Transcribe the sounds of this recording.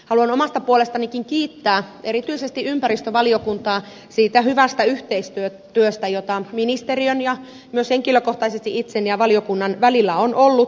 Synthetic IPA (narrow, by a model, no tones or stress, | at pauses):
hɑluɑnomɑst̪ɑpuolest̪ɑnikiŋkiːt̪ːæːeɾit̪yisest̪iʔympæɾist̪øʋɑliokunt̪ɑː | siːt̪æhyʋæst̪æyht̪eist̪yø | t̪yøst̪æjot̪ɑminist̪eriønjɑ | myøsheŋkiløkoht̪ɑisest̪iʔit̪senjɑʋɑlijokunːɑnʋælilːæonʔolːut̪